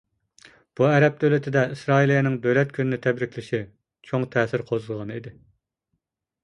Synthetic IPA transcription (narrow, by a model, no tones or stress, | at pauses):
b̥uɛɾɛp̚d̪ølɪt̪ʰɪd̪ɛʔisɾɑːilˠijɑnɪŋd̪ølɛt̪̚kʲʰynɪnɪt̪ʰɛbɾɪkʲlɪʃi | t͡ʃʰoŋt̪ʰɛːsɪɾqʰozɨlˠʁɑnɨid̪ɪ